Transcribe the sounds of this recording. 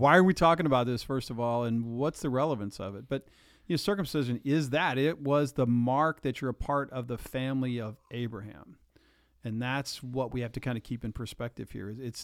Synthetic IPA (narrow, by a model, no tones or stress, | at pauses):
waɪə˞witʰɔkɪ̃ŋəbaʊt̪̚ðɪsfɜ˞stʌvɔlˠə̃nwʌtsðɨɹɛlˠəvɨ̃nsʌ̰vɨt̚b̥ʌt̚ | jnoʊsɜ˞kɨ̃msɪʒɨ̃nɪzðɨɾɪt̚wʌzðəmɑɹk̚ðɨt͡ʃə˞əpʰɑɹɾʌvðəfæ̃mliʌvʔeɪbɹɨɦæ̰̃m | ɨ̃nðætswʌt̚wihæftɨkʰãɪ̃ndɨkʰipɨ̃npʰə˞spɛk̚tɨv̥hḭɹɨzɪts